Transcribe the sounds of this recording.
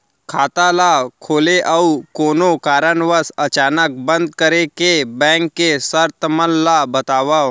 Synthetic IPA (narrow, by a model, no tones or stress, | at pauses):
kʰaːt̪alakʰoːleʔəukoːnokaːɾənʋəsɐt͡ʃaːnək̚bə̃nd̪̚kəɾekebɛ̃ːŋkːesəɾt̪əmənːabət̪aːʋaː